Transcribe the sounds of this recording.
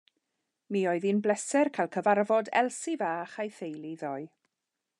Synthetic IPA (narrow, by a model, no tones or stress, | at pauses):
miːɔɨðinblɛsɛrkʰajlˠkʰəvarvɔdɛ̰lˠsivaːχajθejliðɔj